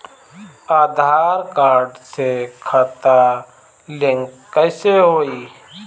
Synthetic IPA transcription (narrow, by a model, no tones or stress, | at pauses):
aːd̪ʱaːɾkaːɾɖsekʰət̪a | lɪ̃ŋkːəɪseɦoːiː